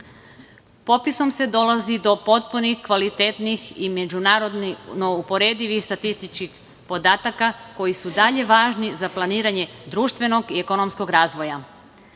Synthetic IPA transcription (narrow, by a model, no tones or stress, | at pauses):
po̞piso̞mse̞d̪o̞lazid̪o̞po̞t̪̚punixkʋalit̪et̪nixime̞d͡ʒunaːɾo̞d̪nno̞upo̞ɾe̞ːd̪iʋixst̪at̪ist̪it͡ʃkix | po̞d̪aːt̪akako̞jisud̪aʎe̞ʋaːʒnizaplˠaniːɾaɲe̞d̪ɾuːʃt̪ʋe̞no̞ɡieko̞no̞msko̞ɡɾaːzʋo̞ja